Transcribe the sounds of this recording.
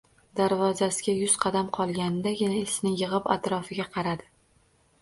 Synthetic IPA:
d̪aɾvɒzasɪɡʲajʊz̥qʰɑd̪amqʰɒlˠɡʲanɪd̪ajanaesnɪjɨʁɨpat̪ɾɒfɪɡʲaqʰɑɾad̪ɪ

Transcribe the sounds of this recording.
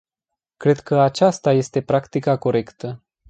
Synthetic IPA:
kɾe̞d̪kəat͡ʃast̪aje̞st̪e̞pɾakt̪ikako̞ɾe̞kt̪ə

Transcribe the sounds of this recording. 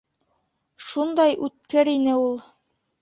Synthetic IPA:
ʃund̪ɑjʉt̪̚kɘɾinɘulˠ

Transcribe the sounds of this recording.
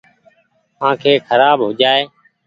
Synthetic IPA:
ãːkʰeːkʰəɾaːbɦʊːd͡ʒaːeː

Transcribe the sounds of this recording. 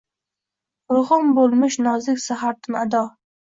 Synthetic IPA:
ɾʊhʊmbolˠmɪʃnɒzɪkʲsaɦaɾt̪ʰɪmad̪ɒ

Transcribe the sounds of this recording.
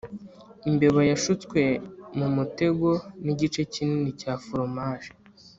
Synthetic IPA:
imbeβojaʃut͡skwe̞mumute̞ɡo̞niɟit͡ʃe̞cininicaːfuɾomaːʒe̥

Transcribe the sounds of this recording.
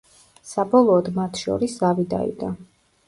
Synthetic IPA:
sabɔlˠɔːd̪mat̪ʰʃɔ̰ɾisavid̪a̰ḭd̪a

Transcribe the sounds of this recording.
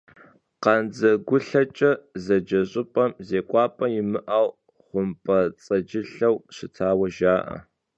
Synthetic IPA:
qɑnd͡zɐɡʷʊɬɐt͡ʃʼɐzɐd͡ʒɐɕʼɪpʼɐmzeːkʷʼɑːpʼɐjɪmɨʔaːw | χʷʊmpʼɐt͡sʼɐd͡ʒɪɬɐwɕɪtʰaːwɐʒaːʔɐ̰

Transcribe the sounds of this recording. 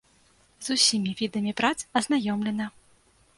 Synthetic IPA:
zusʲimʲivʲid̪ɐmʲipɾat̪sɐznajɔmlʲɛnɐ

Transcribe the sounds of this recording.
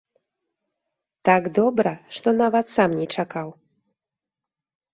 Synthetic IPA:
t̪aɡd̪ɔbɾɐʂt̪ɔnavɐt̪samnʲɛt͡ʂakaw

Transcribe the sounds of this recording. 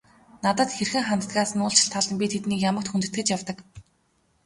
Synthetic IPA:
nat̪ə̆t̪xerxɘ̆ŋχamt̪ə̥t̪aːsə̆nʊːɬt͡ɕʰɪ̆ɬt̪ʰːaɮə̆mpʲit̪ʰet̪niːkjamə̆k̚t̪xunt̪ɘ̆t̪ɡɘ̆t͡ɕjawt̪ə̆k

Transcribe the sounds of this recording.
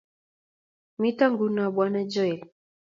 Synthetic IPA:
mitaŋɡunaɓwanad͡ʒɔɛl

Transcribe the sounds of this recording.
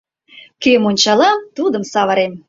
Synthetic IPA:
kemonʲt͡ɕɑlɑt̪ud̪əmsɑβəɾem

